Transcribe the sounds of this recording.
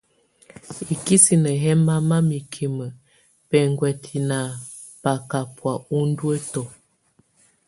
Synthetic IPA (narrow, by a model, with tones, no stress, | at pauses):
i˨ki˦si˨nə˨ɦɛ˦ma˦ma˦mi˨kʰi˨mə˨ | pɛ˨ŋɡwɛ˨tʰi˨na˨ | pa˨ka˨pwa˨u˦n˦dwə˦tɔ˨